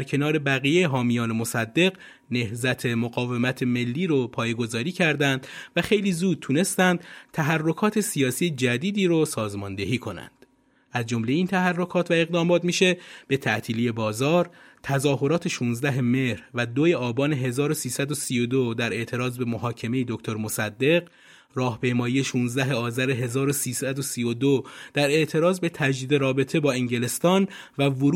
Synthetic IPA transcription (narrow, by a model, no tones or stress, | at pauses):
æɾcʰe̞nɒːɾe̞bæɣijejeɦɒːmijɒːnemosæd̪ːe̞ɣ | ne̞hzæt̪ʰe̞moɣɒːve̞mæt̪ʰe̞me̞lːiːɾopʰɒːjeɡo̞zɒːɾiːcʰæɾd̪ænd̪væxe̞jliːzuːd̪̚t̪ʰune̞st̪ænd̪̥t̪ʰæɦærːo̞kʰɒːt̪ʰe̞sijɒːsijed͡ʒæd̪iːd̪iːɾosɒːzmɒːnd̪e̞ɦiːkʰo̞næ̰nd̪̥ | ʔæzd͡ʒo̞mle̞iːnt̪ʰæɦærːo̞kʰɒːt̪ʰvæe̞ɣd̪ɒːmɒːt̪miːʃe̞b̥e̞t̪ʰæʔt̪ʰiːliːje̞bɒːzɒːɾt̪ʰæzɒːho̞ɾɒːt̪ʰeʃuːnzd̪æɦe̞me̞hɾvæd̪ojeɒːbɒːne̞ɦe̞zɒːɾosiːsæd̪o̞siːjod̪od̪æɾe̞ʔt̪ʰe̞ɾɒːzbe̞mohɒːcʰe̞me̞jed̪okct̪ʰoɾmosæd̪ːe̞ɡ | rɒːhpʰe̞jmɒːjije̞ʃuːnzd̪æɦe̞ɒːzæɾe̞ɦe̞zɒːɾo̞siːsæd̪o̞siːjod̪od̪̥æɾe̞ʔt̪ʰe̞ɾɒːzbe̞t̪ʰæd͡ʒd̪iːd̪e̞ɾɒːbe̞t̪ʰe̞bɒːeŋɟe̞le̞st̪ɒːnvævoɾ